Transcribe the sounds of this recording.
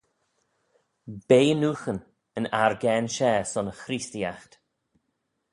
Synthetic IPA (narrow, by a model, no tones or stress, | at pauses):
b̥eːənuːxən | ənaɹɡɛnʃɛːsɔnəxɾistiaxt̪